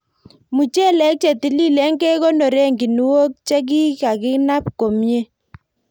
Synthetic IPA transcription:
mu˨t͡ʃɛ˦lɛ˨˦k̚t͡ʃe˨ti˨˦li˦lɛ˦ŋɡe˦kɔ˦nɔ˨ɾe˦ŋɡi˨nu˦wo˦k̚t͡ʃe˦k̬i˦ka˨kɪ˦na˦p̚ko˨mje˦

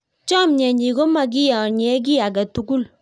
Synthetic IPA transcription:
t͡ʃɔ˦˨mɲɛ˨ɲi˨ɡo˦ma˨ɡ̬i˦jɔ˨ɲɛ˦ɡ̬i˦a˨ɡa˨tu˦ɡu˦l

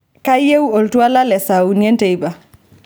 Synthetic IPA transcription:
ka˦je˦wɔ˨ltu˦a˦la˦lɛsawune˦ntɛ˨jba˨

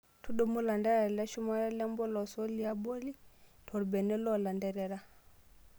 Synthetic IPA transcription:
tu˦ɗɔ˨mu˦la˨ndɛ˦ɾɛ˨lɛ˦ʃu˦ma˦ɾa˦lɛ˦mbɔ˦lɔ˨sɔ˦li˨˦a˦bɔ˦li˦tʰɔ˨ɾbɛ˨nɛ˦lɔ˦˨la˨ndɛ˨ɾɛ˨ɾa˦

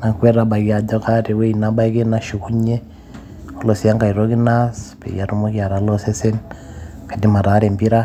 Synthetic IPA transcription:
na˨ŋkwɛ˦ɾa˨ba˨ɣi˨a˨d͡ʒɔ˦ka˦ɾe˨we˦ina˦ba˦i˦ke˦na˦ʃu˨ku˦ɲɛ˦ | o˦lɔ˨si˨a˦ŋɡa˨i˨ɾo˦ki˦naspḛ˨ja˨ɾu˦mo˦kja˨ɾa˨lɔ˦sɛ˦sɛ˦n | ka˨di˦ma˨ɾa˨˦ɾɛ˨mbi˦ɾa˦

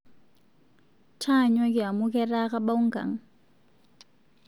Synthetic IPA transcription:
t͡ʃʰa˦˨ɲwa˦ki˨a˨mukɛraka˦ɓa˦u˦ŋ˦ka̰˨ŋ̩

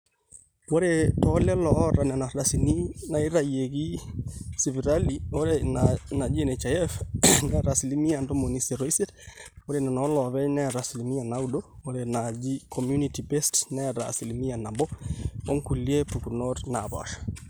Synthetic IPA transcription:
wɔ˦ɾe˨tɔlɛ˦lɔ˦ɾa˨nɛ˨na˨ɾa˨sini˦na˨i˦ɾa˨je˨ɡi˦si˨βi˨ɾa˦liɔɾena˨d͡ʒi˦ɛ˨nɛ˨t͡ʃa˨jɛ˦fnɛa˨ɾa˨si˨li˦mi˦a˨ndo˦mo˨ni˦sɛ˨ɾɔ˨isɛ˦ɾwɔ˦ɾe˨nɛ˨nɔ˦lɔ˨βɛ˦nɛ˦aɾa˨si˨li˨mi˦a˨na˦udɔ˦wɔ˦ɾɛna˨d͡ʒi˦kʰɔ˨mju˦nitibɛ˦stnɛ˦a˨ɾa̰˨si˨li˨mi˦a˨na˨mbɔ˦ɔ˦ŋku˨lie˦pu˨kunɔɾna˨ba̰˨ʃḁ˨

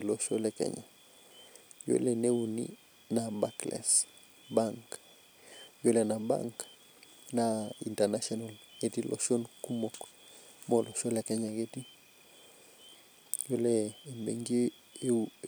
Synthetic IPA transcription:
lo˦ʃo˦lɛ˦kɛ̰ɲa̰˨ | jo̰˦lene˦unḭ | na˨ba˦klɛ̰˨s | baŋk | jo˦lɛ˨na˨ba̰ŋk | naḭ˨ntɛ˨nasɔna˨lɡeti˦lʔɔ̰ʃo˦nku˦mo˨k | mɔlʔo˨ʃo˦lɛ˨kɛ˦ɲa˨ɡeti˦ | jo˦lɛː˨mbḛŋɡe˦ | e˦

